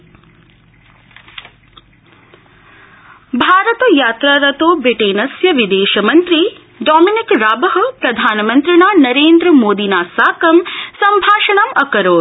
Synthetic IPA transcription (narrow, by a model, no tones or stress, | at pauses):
bʱaːɾɐt̪ɐjaːt̪ɾaːɾɐt̪oːbɾiʈeːnɐsjɐʋid̪eːʃɐmɐnt̪ɾi | ɖɔːminikɾaːbɐɦɐpɾɐd̪ʱaːnɐmɐnt̪ɾinaːnɐɾeːnd̪ɾɐmoːd̪inaːsaːkɐmsɐmbʱaːʃɐɳamɐkɐɾoː